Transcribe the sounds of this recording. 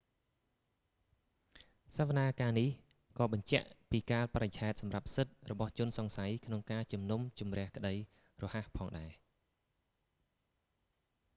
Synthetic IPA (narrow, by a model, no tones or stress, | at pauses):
saʋanaːkaːnih | kɑːɓɑɲt͡ɕɛ̆əʔpiːkaːlprajt͡ɕʰaɛt̪̚sɑmrap̚sɨt̪̚rɔɓɑht͡ɕʊ̆ənsɑŋsajkʰnoŋkaːt͡ɕumnumt͡ɕumrɛ̆əhkə̆ɗəj | rɔːhahpʰɑːŋɗaɛ